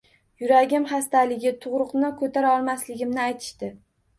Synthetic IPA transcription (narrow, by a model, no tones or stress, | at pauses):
jʊɾaɡʲɪmχast̪alɪɡʲɪt̪ʰʊʁɾʊqnɪkʰɵt̪ʰaɾaɒlˠmaslɪɡʲɪmnɪajt̪ʰɪ̥ʃt̪ɪ